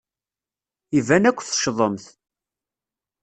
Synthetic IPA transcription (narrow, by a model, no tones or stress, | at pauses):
ivænækʷːθə̥ʃðˤəmθ